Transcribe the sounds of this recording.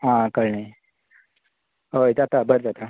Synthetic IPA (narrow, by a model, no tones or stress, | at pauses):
ɦãkəɾɳa | ɦojd̪at̪abəɾd͡zat̪a